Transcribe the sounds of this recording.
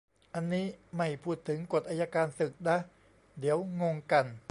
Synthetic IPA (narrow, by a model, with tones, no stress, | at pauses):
ʔa˧nːiː˦˥ma˥˩jpʰuː˥˩t̪ʰːɯ˩˦ŋko˨˩t̪̚ʔaː˧ja˧kaː˧nsɯ˨˩k̚da˦˥ | di˩˦əwŋo˧ŋka˧n